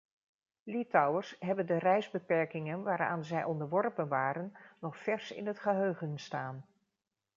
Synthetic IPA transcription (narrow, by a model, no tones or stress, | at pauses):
lɪtɑwəɹsɦɛbəndərɛjzbəpɛɹkɪŋənʋaːɾa̰ːnzɛjʔɔndəɹʋɔɹpənʋaːɾənːɔχfɛɹsɪ̰nɦətχəɦøɥχənstaːn